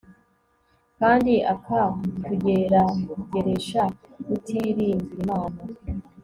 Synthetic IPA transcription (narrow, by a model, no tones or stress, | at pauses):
kaːndiʔakʰakuɟe̞ɾakuɟeɾe̞ʃa | kutʰiɾiːmbiimaːna